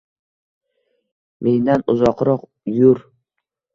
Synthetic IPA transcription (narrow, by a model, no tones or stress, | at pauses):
mʔeŋd̪anʊzɒqɾɒq | jʊɾ